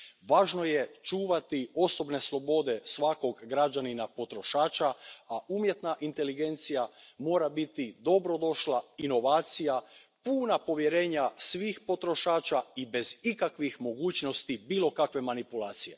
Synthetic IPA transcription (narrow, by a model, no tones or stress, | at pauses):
ʋaːʒno̞je̞t͡ʃuːʋat̪io̞so̞bne̞slˠo̞bo̞d̪e̞sʋako̞ɡɡɾad͡ʒaninapo̞t̪ɾo̞ʃaːt͡ʃaaʔuːmje̞t̪naʔint̪e̞liɡe̞nt̪sijamo̞ːɾabit̪id̪o̞bɾo̞d̪o̞ʃlaino̞ʋaːt̪sija | puːnapo̞ʋje̞ɾe̞ːɲasʋixpo̞t̪ɾo̞ʃaːt͡ʃaibe̞zikakʋixmo̞ɡuːt͡ɕno̞st̪ibiːlˠo̞kakʋe̞manipulˠaːt̪sije̞